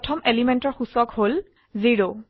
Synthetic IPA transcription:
tʰɔmelimentɔɹxusɔkhol | ziɹo

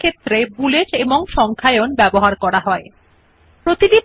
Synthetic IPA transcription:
kʰet̪ːɾebuleʈeboŋʃɔŋkʰaeonbɛboɦaɾkɔɾaɦɔe | pɾot̪idi

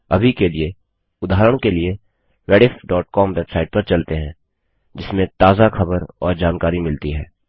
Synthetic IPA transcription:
ɐ̰bʱikelie | ʊd̪ʱaːɾəɽ̃kelie | ʋɛːɽɪfɖɔːʈ̚kɔːmʋebsaːɪʈ̚pɐɾt͡ʃɐlt̪eɦɛ̃ː | d͡ʒɪsmẽt̪aːzaxɐbəɾɔːɾd͡ʒaːnkaːɾimɪlt̪iɦɛ̰ː

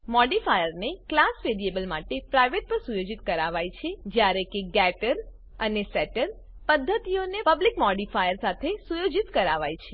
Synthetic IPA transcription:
mɔɖifajəɾneklasʋeɾiebəlmaʈepɾajʋeʈ̚pəɾsujod͡ʒit̪kəɾaʋajt͡ʃʰed͡ʒjaɾekeɡɛʈəɾ | ənesɛʈəɾ | pəd̪ʱːət̪ionepəblikmɔɖifajəɾsat̪ʰesujod͡ʒit̪kəɾaʋajt͡ʃʰe

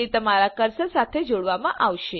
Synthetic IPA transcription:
it̪əmaɾakəɾsəsat̪ʰed͡ʒoɽʋamãʔaʋʃe

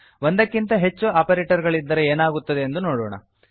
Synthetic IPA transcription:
ond̪ɐkːint̪ɐɦe̞t͡ʃːuaːpɐɾeːʈɐɾɡɐɭid̪ːɐɾeeːnaːɡut̪ːɐd̪e̞ːnd̪unoːɽɔ̰ːɳɐ̰

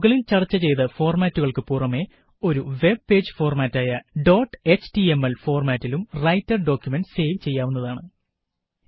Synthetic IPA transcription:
ɣɐɭilt͡ɕɐrɨt͡ɕːɐt͡ɕe̞jt̪ɐfo̞ːrmaːtːuɣɐɭkɨpurɐme̞ | o̞ɾuʋe̞b̚pe̞ːd͡ʑɨfo̞ːrmaːtːaːjɐɖo̞ːʈːɨet͡ɕʈiemːɐlfo̞ːrmaːtːilumrɐjtːɐrɖo̞ːkʲːjumenɖse̞ːʋt͡ɕe̞jːaːʋunːɐðaːɳɨ

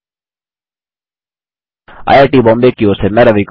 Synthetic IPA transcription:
a̰ːjaʈiːbɔ̃ːmbeːkːioːsemɛːɾɐʋik

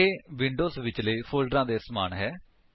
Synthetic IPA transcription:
eːʋɪ̃ɳɖoːsʋɪt͡ʃləiːpʰoːlɖɾãːd̪eːsmaːnɦɛː

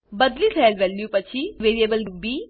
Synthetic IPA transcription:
bəd̪lisʰɛlʋɛlːjupət͡ɕʰiʋeːɾiebəlɾubi

